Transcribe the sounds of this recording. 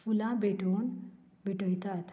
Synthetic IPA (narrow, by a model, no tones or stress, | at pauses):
fulãbeʈoːn | biʈõĩt̪at̪ʰ